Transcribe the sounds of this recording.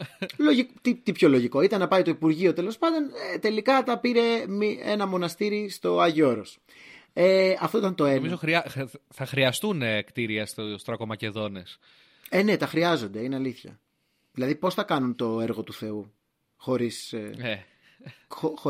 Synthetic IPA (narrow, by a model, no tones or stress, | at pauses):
loʝikt̪it̪ipço̞lo̞ʝiko̞it̪ɐnːɐpɐit̪o̞ipuɾʝio̞t̪e̞lo̞spɐnd̪o̞net̪e̞likɐt̪ɐpiɾe̞miḛnɐmo̞nɐst̪iɾist̪o̞ɐʝio̞ɾos | eɐft̪oit̪ɐnt̪o̞emizoɾiɐθɐxɾiɐst̪unkt̪iɾiɐst̪ost̪ɾɐkomɐce̞ðo̞ne̞s | ene̞t̪ɐxɾiɐzo̞nd̪e̞ineɐliθçɐ̰ | ðilɐðipo̞sθɐkɐnunt̪o̞e̞ɾɣo̞t̪uθe̞u | xo̞ɾise | ox